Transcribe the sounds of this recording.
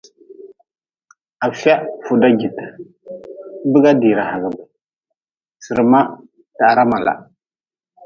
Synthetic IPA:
a˨fa˦fu˨da˦ɡi˨tḁ˨˦ | bə˦ɡa˦di˨ɾa˨ha˨ɡa˨ba˨ | sə˨ɾma˦ | ta˨ɾa˦ma˨la̰˨

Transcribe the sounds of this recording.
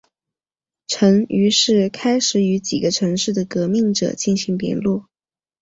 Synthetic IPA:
ʈ͡ʂʰɤ˧˥ŋy˧˥ʂɻ̩˥˩kʰa˥ɪʂɻ̩˧˨˩y˧˥t͡ɕḭ˨˩ɡə˦ʈ͡ʂʰɤ˧˥ŋʂɻ̩˥˩d̪ə˩kɤ˧˥mi˥˩ŋʈ͡ʂɤ̰˨˩t͡ɕi˥˩nɕi˧˥ŋpjɛ̰˧˥nlu˥˩

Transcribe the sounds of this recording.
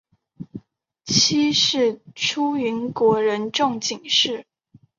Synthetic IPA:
t͡ɕʰi˥ʂɻ̩˥˩ʈ͡ʂʰu˥y˧˥nkwɔ˧˥ɻə˧˥nʈ͡ʂɤ˥˩ŋt͡ɕi˨˩ŋʂɻ̩˥˩

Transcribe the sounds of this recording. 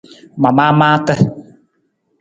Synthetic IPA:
ma˨maː˦maː˦tə˦

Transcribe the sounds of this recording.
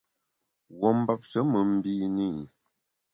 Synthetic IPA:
wɔ˦m̩˦ba˦p̚t͡ʃə˨˦mə˨m̩˦bi˦ni˦˨

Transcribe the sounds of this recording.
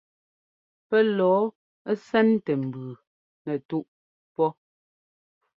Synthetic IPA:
pɛ˦lɔː˨˦ | ɛ˦sɛ˦n˦tɛ˨m̩˨bʉː˨ | nɛ˨tu˦ʔ | pɔ˦

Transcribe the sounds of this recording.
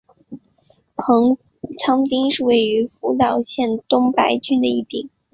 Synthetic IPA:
t͡sʰɑ˥ŋt̪i˥ŋʂɻ̩˥˧we˥˩ɪy˧˥fu˧˥t̪ɑ˨˩ʊɕjɛ˥˩nt̪ʊ˥ŋpa˧˥ɪt͡ɕy˥nd̪ə˧i˥˩t̪i˨˩˦

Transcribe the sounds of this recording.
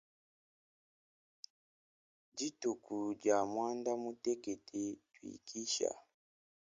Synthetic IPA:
d͡ʒi˦tu˨ku˨d͡ʒa˨mwa˦nda˦mu˦tɛ˦kɛ˨tʰɛ˨twḭ˨kʰi˦ʃa̰˨

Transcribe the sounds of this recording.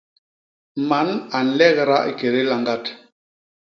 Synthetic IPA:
ma˨˦na˨n̩˨lɛ˦ɣɾa˦ʔi˨ke˨ɾe˦la˨ŋɡa˦t

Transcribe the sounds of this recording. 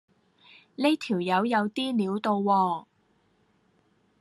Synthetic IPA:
ne˥t̪ʰiː˨˩wjɐ˨˧wjɐ˨˧wt̪iː˥niː˨˥wt̪o˧wːɔː˧

